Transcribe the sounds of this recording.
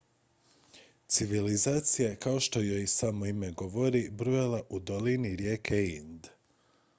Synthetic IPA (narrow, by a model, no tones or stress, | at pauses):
t̪siʋilizaːt̪sijaekaoʃt̪o̞jojsamoime̞ɡo̞ʋoɾibɾujalaʔud̪oliniɾje̞ːkʰeind̪